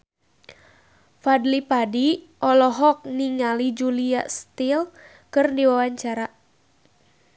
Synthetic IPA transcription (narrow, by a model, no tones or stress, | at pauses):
fadlipadi | ʔɔlɔɦɔk̚niŋalid͡ʒuliast̪il | kɨrdiwawaɲt͡ʃaɾa